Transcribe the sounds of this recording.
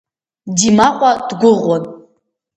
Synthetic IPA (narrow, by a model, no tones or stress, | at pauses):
dimaqʷʼadɡʷʊʁʷɔnʼ